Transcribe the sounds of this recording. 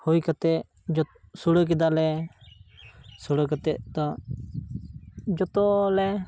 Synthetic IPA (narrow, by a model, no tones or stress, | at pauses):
hujkat̪ɛ | d͡ʒɔsuɽək̬ɛd̪alɛ | suɽəkat̪ɛʔt̪ɔ | d͡ʒɔt̪ɔlɛ